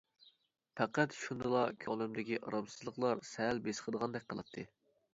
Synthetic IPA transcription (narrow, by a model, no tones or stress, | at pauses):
pʰæqæt̪ʃund̪ɨlˠɑkʲʰɑlˠɪmd̪ɪkʲiʔɑ̰ɾɑbsɨzlˠəqlˠɑɾsɛlbesqʰəd̪əʁɑnd̪ɛk̚ʲqʰəlˠɑ̰t̪ʰːɨ